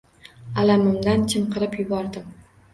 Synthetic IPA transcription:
alamɪmd̪ant͡ʃʰɪmqɨɾɪpjʊbɒɾd̪ɪm

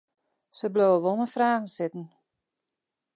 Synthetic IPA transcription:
səbloːwəʋolˠnəfraːɣnsɪtn̩

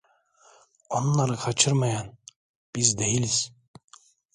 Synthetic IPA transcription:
onlˠɑɾɯqʰɑt͡ʃʰɯɾmɑjɑn | b̥izd̪ejiliz̥

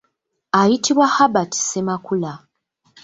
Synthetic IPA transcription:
ajitiβwahabati̥se̞makula

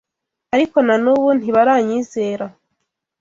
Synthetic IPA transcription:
aɾiko̞nanuβun̥hiβaɾaːɲiːze̞ːɾa

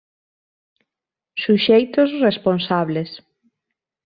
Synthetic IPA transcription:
suʃejt̪ʊsresponsaβles

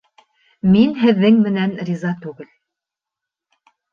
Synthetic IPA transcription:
minɦɘ̆ðːɘŋmɘ̆nænrʲizɑt̪ʉɡɘl

